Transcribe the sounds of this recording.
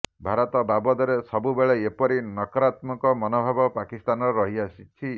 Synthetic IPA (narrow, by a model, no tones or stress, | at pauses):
bʱaɾɔt̪ɔbabɔd̪ɔɾesɔbubeɭeepɔɾinɔkɔɾat̪mɔkɔmɔnobʱabɔpakist̪anɔɾɔɾɔɦiasit͡ʃʰi